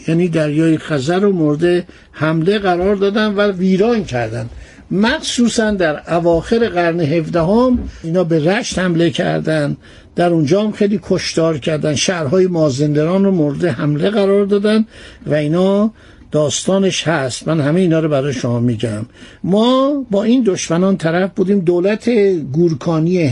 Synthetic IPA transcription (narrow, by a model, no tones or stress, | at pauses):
jæːniːd̪æɾjɒːjexæzæɾomoɾed̪e | hæmle̞ɣæɾɒːɾd̪ɒːd̪ænd̪væviːɾɒːncʰæɾd̪ænd̪̥ | mæxsuːsænd̪æɾævɒːxeɾeɣæɾneɦefd̪æɦomiːnhɒːbeɾæʃt̪hæmle̞cʰæ̰ɾd̪ænd̪ | d̪̥æɾund͡ʒɒːhæmxejliːkʰoʃt̪ɒːɾcʰæɾd̪ænʃæɾɦɒːjemɒːzend̪eɾɒːnromoɾed̪ehæmleɣæɾɒːɾd̪ɒːd̪ænd̪væiːnhɒː | d̪̥ɒːst̪ɒːne̞ʃhæst̪mænhæmeiːnɒːɾobæɾɒːjeʃomɒːmiːɟæmː | ɒːbɒːiːnd̪oʃmænɒːnt̪ʰæɾæfbuːd̪iːmd̪oːlæt̪ʰeɡuɾkʰɒːnie